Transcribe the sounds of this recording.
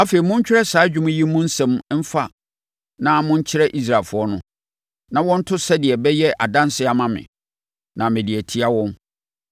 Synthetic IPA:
a˦fe˨i˨mʊ̃˦ɲ˦t͡ɕᶣɪ˦ɾɛ˦saː˨˦d͡ʑᶣu˦mʊ̃˦ji˦mːʊ̃˦n̩˦sɛ̃˨mm̩˦fa˦ | nã˦mʊ̃˦ɲ˦t͡ɕʰɪ˦ɾɛ˦ʔi˦s̬ɾa˨lfʊ˨˦ɔ˦nʊ̰̃˦ | nã˨wɔ̃˦n̩˦tʰʊ˦sɛ˦dɪ˨ɛ˨bɛ˦jɛ˦ʔa˨dã˦n˦sɪ˦a˨mã˨mɪ̰̃˨ | nã˨mɪ̃˨di˨ɛ˨tʰi˦a˦wɔ̃˦n

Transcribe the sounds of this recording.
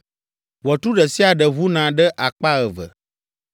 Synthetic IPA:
wɔ˨t̪u˦ɖə˨si˦a˨ɖə˨βu˦nã˨ɖə˦ʔa˨k͡pa˦ɣə˨və̰˨

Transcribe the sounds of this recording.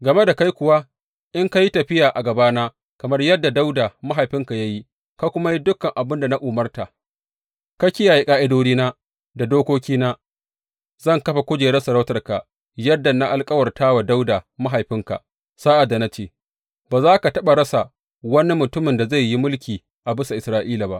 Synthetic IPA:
ɡɐ˨me˦da˨ka˦jkʷʊ˨wa˦ | ʔɪ˦ŋka˦ji˦tɐ˨ɸɪ˦jaː˨ʔa˨ɡɐ˨baː˦naː˦ | kɐ˨mɐ˦rjɐ˦dːa˨da˦wdaː˨ma˦ɦa˨jɸɪ˦ŋka˨ja˦ji˦ | ka˦kʷʊ˦ma˦ji˦dʊ˦kːɐ˨ŋʔa˨bɪ˦nda˨na˦ʔʊ˨mɐ˦rta˨ | kɐ˦kʲi˦jaː˨ji˦kʼaː˦ʔɪ˦doː˦diː˦naː˦ | da˨doː˦kʷoː˦kʲiː˦naː˦ | zɐ˦˨ŋkɐ˦ɸa˨kʷʊ˦d͡ʒeː˨ɽɐ˦sɐ˨ɾa˦wtɐ˨rka̰˨ | jɐ˦dːa˨na˦ʔa˨lkʼɐ˦wɐ˨rtaː˦wa˨da˦wda˨ma˦ɦa˨jɸɪ˦ŋka̰˨ | saː˦ʔa˨dːa˨na˦t͡ʃeː˦˨ | baː˨zaː˦ka˨tɐ˦ɓa˨ɾɐ˦sa˨ | wɐ˦ni˦mʊ˨tʊ˦mɪ˨nda˨za˦˨jːi˦mʊ˦lkʲiː˨ | ʔa˨bɪ˦sa˨ʔɪ˨sɾaː˨ʔiː˦la˨ba̰˦ʔ

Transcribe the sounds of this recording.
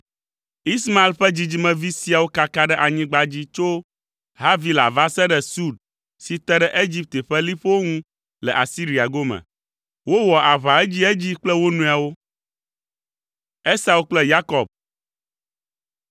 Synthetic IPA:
i˦sma˦e˨˦lɸɛ˦d͡ʑi˨d͡ʑi˦mɛ̃˨vi˦si˦a˨wo˦ka˦ka˦ɖɛ˦ʔa˨ɲĩ˦ɡ͡ba˦d͡ʑi˦t͡ʃo˦ | ɦa˦vi˨la̰˨va˦sɛ˦ɖɛ˦su˦ɖ̚ | si˨t̪ɛ˦ɖɛ˦ʔe˦d͡ʑi˦p̚t̪e˨ɸɛ˦li˦ɸwo˦ŋũ˦ | lɛ˨ʔa˨si˦ɾi˨a˨ɡo˦mɛ̰̃˨ | wo˦wɔ˨ʔa˨βa˨ɛ˦d͡ʑi˦ɛ˦d͡ʑi˦k͡plɛ˦wo˦nũ˦a˨wo˦ | ɛ˦sa˨wo˦k͡plɛ˦ja˦kɔ˨b̚

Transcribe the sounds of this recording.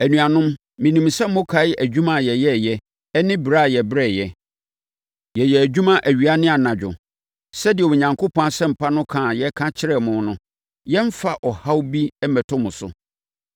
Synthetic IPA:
æ˨nũ˨a˨nʊ̃˦mː | ĩ˨nĩ˨msɛ˦mː˦o˦kʰa˨˦æ˨d͡ʑᶣũ˦mã˨jɛ˨jɛ˦˨jɛ˦ | ɛ˦nɪ̃˦bɾa˦˨jɛ˨bɾɛ˦˨jɛ˨ | jɛ˨jɛ˨æ˨d͡ʑᶣu˦mã˦ʔæ˨ɥi˨a˦nɪ̃˦a˨nã˨d͡ʑᶣʊ̰˨ | sɛ˦dɪ˨ɛ˨wo˨ɲã˨ŋkʰo˦pʰɔ̃˦a˨sɛ̃˦m̩˨pʰa˦nʊ̃˦kʰãː˨jɛ˦kʰã˦t͡ɕʰɪ˦ɾɛ˦mʊ̃˨˦nʊ̃˦ | jɛ˦ɱ̩˦fa˨ʔɔ˨ha˦wbi˦ɛ˦mɛ˨tʰʊ̃˦mʊ̃˨sʊ̰˨

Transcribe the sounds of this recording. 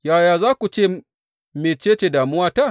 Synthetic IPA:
jaː˨jaː˨zaː˦kʷu˨t͡ʃeː˦˨ | me˨t͡ʃeː˦t͡ʃe˨daː˨mʊ˦waː˦ta˦˨

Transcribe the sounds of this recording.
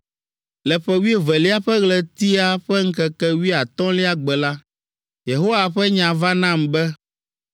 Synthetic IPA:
lɛ˨ɸɛ˨wi˦e˦vɛ˨li˦a˦ɸɛ˦ɣlɛ˨t̪i˦a˦ɸɛ˦ŋ̩˦kɛ˨kɛ˦wi˦a˨t̪ɔ̃˦li˦a˦ɡ͡bɛ˨la˦ | je˨ɦo˦wa˨ɸɛ˦ɲã˨va˦nã˦˨mbɛ˦

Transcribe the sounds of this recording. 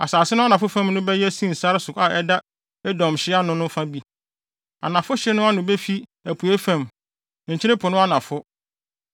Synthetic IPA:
a˨saː˨sɪ˦nʊ̃˦a˦nã˨fʊ˦fɛ̃˦mnʊ̃˦bɛ˦jɛ˦sĩ˦˨n̩˨sa˦ɾsʊ˨ka˨ʔɛ˦da˦ | ɛ˦dɔ̃˨mɕɪ˦a˦nʊ̃˦nʊ̃˦fã˦bi˦ | a̰˨nã˨fʊ˦ɕɪ˦nʊ̃˦a˦nʊ̃˨be˦fi˦æ˨pʰu˨e˦fɛ̃˦m˨ | ɲ̩˨t͡ɕʰɪ˦ɾɪ̃˦pʰʊ˨nʊ̃˦a˦nã˨fʊ˦

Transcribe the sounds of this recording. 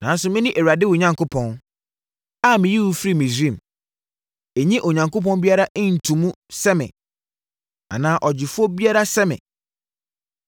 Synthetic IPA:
nã˨˦n˦sʊ˨mɪ̃˦nɪ̃˦ʔe˨wa˨dɪ˦wʊ˨ɲã˨ŋkʰo˦pʰɔ̃˦n | a˦mɪ̃˨ji˦wu˦fɾi˦˨mɪ̃˨sĩ˦˨m | e˨ɲĩ˦ʔo˨ɲã˨ŋko˦p̬ɔ̃˦n˦bi˦a˦ɾa˦ʔɪ̃˦n̩˨tʰũ˨mũ˦ | sɛ˦mɪ̰̃˨ | a̰˨nãː˨˦ʔɔ˨d͡ʑɪ˨fʊ˦ɔ˦bi˦a˦ɾa˦sɛ˦mɪ̰̃˨

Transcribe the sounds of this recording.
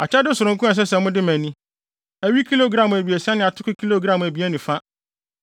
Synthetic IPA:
a˨t͡ɕʰɛ˦dɪ˦sʊ˨ɾʊ̃˨ŋkʊ̃˦ɛ˨s̬ɛ˦sɛ˨mʊ̃˦dɪ˦mæ̃˨nĩ˦ | æ˨ɥi˦kʰi˦lo˦˨ɡɾã˦˨m˨æ˨bi˨æ˨sa˦nɪ̃˨a˨tʰʊ˦kʊ˦kʰi˦lo˦˨ɡɾã˨m˨æ˨bi˨˦æ˦nĩ˨fa˦

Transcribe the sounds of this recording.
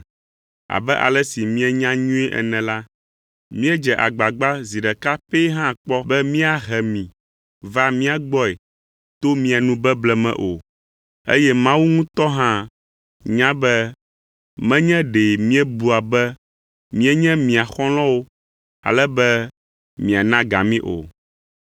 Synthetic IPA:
a̰˨bɛ˦ʔa̰˨lɛ˦si˨mĩ˦ɛ˦ɲã˦ɲũ˦ɛ˦ʔɛ̰˨nɛ̃˨la˦ | mĩ˦ɛ˦d͡ʒɛ˨ʔa̰˨ɡ͡ba˨ɡ͡ba˦zi˨ɖɛ˨ka˦pɛ˦ɦã˦˨k͡pɔ˦bɛ˦mĩ˦a˦ɦɛ˨mĩ˨ | va˦mĩ˦a˦ɡ͡bɔ˦ɛ˨ | t̪o˦mĩ˦a˨nũ˦bɛ˦blɛ˦mɛ̰̃˨ʔo̰˨ | ḛ˦jɛ˦mã˦wu˦ŋũ˦t̪ɔ˦ɦã˦ | ɲã˦bɛ˦ | mɛ̃˦ɲɛ̃˦ɖe˨mĩ˦ɛ˦bu˨a˨bɛ˦ | mĩ˦ɛ˦ɲɛ̃˦mĩ˨a˨xɔ̃˦l̃ɔ̃˦wo˦ | a̰˨lɛ˦bɛ˦ | mĩ˨a˨nã˦ɡa˨mĩ˦ʔo̰˨

